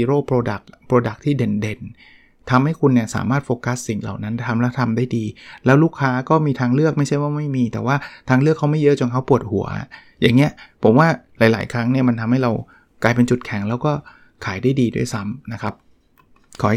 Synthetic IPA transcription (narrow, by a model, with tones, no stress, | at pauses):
i˧ɾoː˥˩pʰɾoː˧da̰˨˩k̚pʰɾoː˧da˨˩k̚t̪ʰiː˥˩de˨˩nde˧n | t̪ʰa˧mha˥˩jkʰu˧nːi˥˩ɐsa̰ː˩˦maː˥˩t̪̚foː˧ka˦˥sːi˨˩ŋla̰˨˩wna˦˥nt̪ʰa˧mlɛ˦˥wt̪ʰa˧mdaː˥˩jdiː˧lɛː˦˥wluː˥˩kʰːaː˦˥kɔː˥˩miː˧t̪ʰaː˧ŋlɯ˥˩ək̚ma˥˩jt͡ɕʰa˥˩jwaː˥˩ma˥˩jmiː˧t̪ɛː˨˩waː˥˩t̪ʰaː˧ŋlɯ˥˩kʰːa˦˥wma˥˩jɤ˦˥ʔt͡ɕo˧nkʰa˥wpu˨˩ət̪̚hu˨˩˦əʔa̰˨˩ | jaː˨˩ŋːi˦˥ɐʔpʰo˩˦mwaː˥˩laː˨˩˦jla̰ː˩˦jkʰɾa˦˥ŋni˥˩ɐma˧nt̪ʰa˧mha˥˩jɾa˧w | klaː˧jpe˧nt͡ɕu˨˩t̪̚kʰɛ˨˦ŋlɛː˦˥wkɔː˥˩ | kʰaː˩˦jdaː˥˩jdiː˧du˥˩əjsa˦˥mna˦˥kʰa˦˥p̚ | kʰɔː˩˦